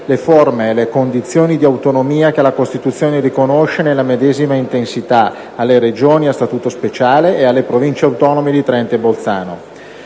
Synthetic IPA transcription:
leformeːlekond̪it̪sːjoːnid̪iawt̪onomiːak̟elakost̪it̪ut̪sːjoːnerikonoʃenelːamed̪eːzimaint̪ensit̪a | alːeɾed͡ʒoːniast̪at̪uːt̪ospet͡ʃaːleʔːalːepɾovint͡ʃeawt̪ɔːnomed̪it̪ɾɛnt̪ebolt̪sa̰ːno̰

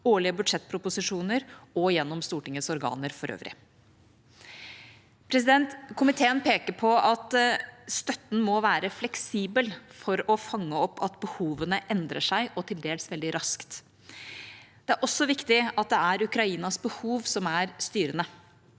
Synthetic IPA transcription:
oːɭɪəbʉd̪ʂɛt̪̚ːpʰɾʊpʊsɪʂuːnəɾɔjɛnːɔmst̪uːʈɪŋəsɔɾɡɑ̰ːnəɾfɔɾʔø̰ːʋɾɪ̰ | pʰɾɛs̬ɪd̪ɛnt̪kʰʊmɪt̪ʰeːənpʰeːkəɾpʰɔɑt̪st̪œt̪ːn̩mɔʋæːɾəflɛksiːbəlfɔɾɔfɑŋːəɔpːɑt̪bəhuːʋənəʔɛnd̪ɾə̰ʂæɪʔɔt̪ʰɪld̪eːləsʋɛld̪ɪɾɑskt̪ | d̪̥ɛæɾʔɔsːɔʋɪkt̪ɪɑt̪̚d̪ɛæɾʉkɾɑiːnɑsbəhuːʋsɔmæɾst̪yːɾənə

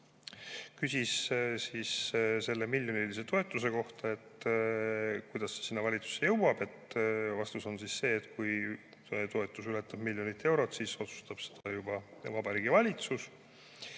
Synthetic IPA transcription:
kysʲissiːsse̞lːe̞milʲjo̞nilise̞t̪o̞e̞t̪ːˑuse̞ko̞ht̪ɑe̞t̪ | kujd̪̥ɑsːe̥sinːɑvɑlʲit̪su̥sejɤwwɑb̥e̞t̪vɑst̪uso̞nsisse̞ːt̪ˑkuj | t̪o̞e̞t̪ˑːusylet̪ːˑɑb̥milʲjo̞nit̪ːˑe̞wɾo̞t̪siso̞t̪su̥st̪ɑb̥se̥d̪̥ɑjub̥ɑvɑb̥ɑɾiːɡivɑlʲit̪sus

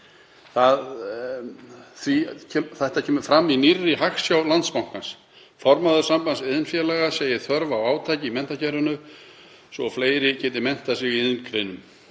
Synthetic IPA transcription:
θað | θvicʰɛθɛht̪acʰɛːmʏɾfɾamːinirːɪɦaxsjawlant̪spawŋ̥kans | fɔɾmaðʏɾsampansɪðɪnfjɛlɛɣaseːjɪθœɾvawaːwt̪ʰaːjcɪimɛnt̪acʰɛrʏnʏ | sɔfleːjɾɪcʰɛːt̪ɪmɛn̥t̪asɪɣiɪðʏnkʰɾejnʏm

